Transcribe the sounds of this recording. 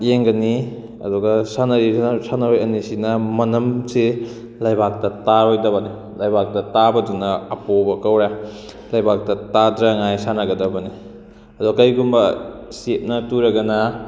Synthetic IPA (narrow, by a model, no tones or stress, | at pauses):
jeŋɡɐni | ɐ̰duɡɐsanɐɾisanɐɾojɐnisinɐmɐnɐmsi | lɐjbak̚tɐtaɾojdɐβɐni | lɐjbak̚dɐtabɐdunɐːpobɐkɐwɾa | lɐjbak̚tɐtadɾɐŋajsanɐɡɐdɐbɐni | ɐduɡkɐjɡumbɐset̚nɐtuɾɐɡɐnɐ